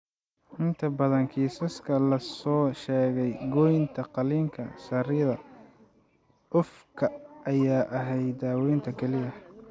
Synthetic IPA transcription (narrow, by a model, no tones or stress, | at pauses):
ʔɪnt̪ʰɐbɐðɐŋkʰiːsɐskʰɐlɐsɔːʃɛːɣɛjɡɔjnt̪ʰɐqɑliːŋkʰɐsɐrɪðɐ | ʔʊfkʰɐʔɐjaːʔɐɦɛjd̪aːwɛːnt̪ʰɐkʰɛlɪɐ